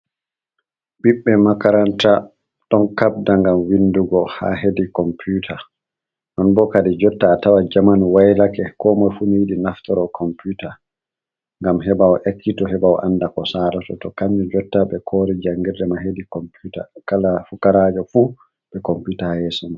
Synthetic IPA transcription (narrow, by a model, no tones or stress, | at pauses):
ɓiɓːɛmakaɾanta | ɗɔnkab̚daŋɡamwinduɡɔha̰ɦedikɔmpʰutʰa | nɔnbɔkadid͡ʒɔtːaːtawad͡ʒamanwajlakɛkɔmɔjfunijiɗinaftɔɾɔkʰɔmputa | ŋɡamɦɛbawɔʔekːitɔɦɛbaw̰ʔanːdakɔsaɾatɔtɔkaɲd͡ʒɔd͡ʒɔtːaɓɛkʰoɾid͡ʒaŋɡiɾdɛmahedikɔmputa̰kalafukaɾad͡ʒɔfu | ɓɛkɔmputahɛsɔma